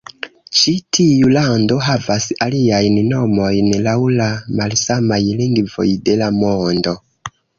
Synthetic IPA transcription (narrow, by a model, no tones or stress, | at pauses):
t͡ʃitʰijulando̞ɦavasaliajnno̞mo̞jnlawlamalsamajliŋɡvo̰jde̞lamondo̞